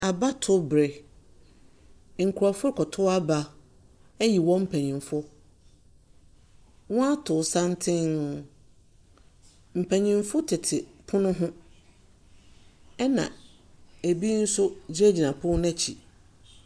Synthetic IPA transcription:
a˨ba˦tʰʊ˦bɾe˨ | ŋ̩˨kʰu˨ɾa˨fʊ˦ɾkʰɔ˨tʰʊ˦a˦ba˨ | ɛ˦ji˨wɔ̃˦m̩˦pʰɛ˨ɲĩ˨nfʊ˦ | wɔ̃˦a˦tʰʊ˨sã˦n˦tʰɪ̃˦n˨ | m̩˨pʰæ̃˨ɲĩ˨mfʊ˦tʰɪ˨tʰɪ˨pʰʊ̃˦nʊ̃˦ɦʊ̃˦ | ɛ˦nã̰˨ | æ˨bi˦n̩˦sʊ˦d͡ʑi˦æ˦d͡ʑi˨nã˨pʰʊ̃˦nɛ̃˦t͡ɕʰi˨

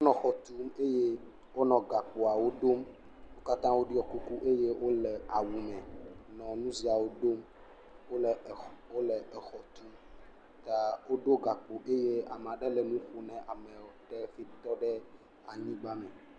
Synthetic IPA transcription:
wo˦nɔ̃˨xɔ˨t̪u˦me˦je˦ | wo˦nɔ̃˨ɡa˨k͡po˨a˨wo˦ɖo˦m | wo˦ka˦t̪ã˦wo˦ɖi˦ɔ˦ku˦ku˦ʔe˦je˦wʔo˦lɛ˨a˨wu˨mɛ̃˨nɔ̃˨nũ˦zi˨a˨wo˦ɖo˦m˦˨ | o˦lɛ˨ɛ˨xɔ˨t̪u˦m | t̪a˨wo˦ɖo˦ɡa˨k͡po˨ʔe˦je˦a˨m˨ã˨ɖɛ˦lɛ˨nũ˦ɸo˨nɛ̃˨ʔa˨mɛ̃˨wɔ˨tɛ˦fi˦t̪ɔ˦ɖɛ˦ | a˨ɲĩ˦ɡ͡ba˦mɛ̃˨

